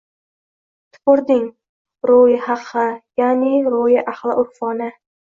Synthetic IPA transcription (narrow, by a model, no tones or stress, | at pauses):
t̪ʰʊ̥pʊɾd̪ɪŋ | ɾojɪhɑqʰːɨjanɪɾojɪʔahlˠɪʔʊɾfɒnɪ